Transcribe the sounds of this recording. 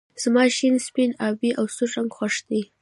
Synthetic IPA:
z̥mɑʃinspinɑbiʔawsuʒaŋɡxaʂd̪i

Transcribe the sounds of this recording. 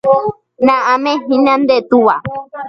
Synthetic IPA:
nãamẽɦĩnãnd̪et̪uwa

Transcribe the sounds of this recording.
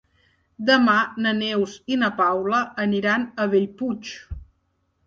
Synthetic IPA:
d̪əmanənewzinəpawləːniɾanəβeʎput͡ʃ

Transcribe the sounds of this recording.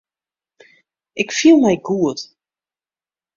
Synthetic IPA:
ʔɪkfilˠmɛjɡuət

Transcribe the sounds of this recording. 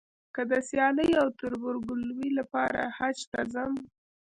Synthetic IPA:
kəd̪əsjɑləjawt̪ʊɾbʊɾɡʊlwilapɑɾa̰hat͡ʃt̪azəm

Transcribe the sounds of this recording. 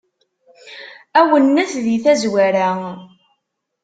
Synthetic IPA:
æwənːæθðiθæzwæɾæ

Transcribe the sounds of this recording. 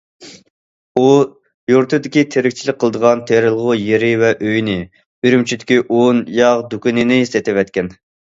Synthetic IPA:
u | juɾt̪ʰɨd̪ɪkʲit̪ʰeɾɪkʲt͡ʃʰilɪk̚ʲqʰːəlˠd̪əʁɑnt̪ʰeɾɪlˠʁʊjeɾɪvɛʔøjnɪ | yɾymt͡ʃʰyd̪ɪkʲiʔonjɑʁd̪ukʲinɪnɪist̪et̪ɪvɛt̪̚kʲɛn

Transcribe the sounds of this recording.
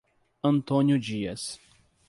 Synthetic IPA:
ɐ̃nt̪õnjʊd͡ʒiɐs

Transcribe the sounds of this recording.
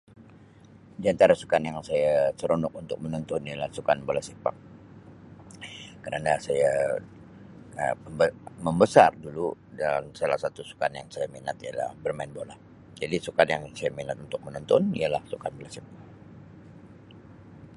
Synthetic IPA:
diant̪aɾasu̥kanjaŋsajasəɾonʊk̚unt̪ʊk̚mənɔnt̪ɔnijalahsukanbolasipa̰ŋ̚ | kəɾanasaja | ə̰əbəməmbəsardulu | dansalahsat̪usu̥kanjaŋsajaminat̪ijala̰hbərmaɪnbolah | d͡ʒadisukanjaŋsajaminat̪̚unt̪ʊk̚mənɔnt̪ɔnijalahsukanbolasipaŋ̚

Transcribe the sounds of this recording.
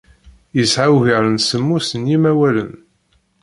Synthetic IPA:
jəsʕawʝəɾənsəmːusənjimæwælə̰n

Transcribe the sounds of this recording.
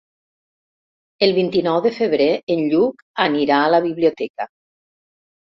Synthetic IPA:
elˠβint̪inɔwðəfəβɾeenʎuk | aniɾaːləβiβliot̪ɛkə

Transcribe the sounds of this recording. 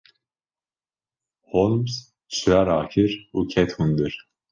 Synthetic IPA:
holˠms | t͡ʃʰɾaɾaːkʰiɾucʰɛt̪hund̪ɯɾ̥

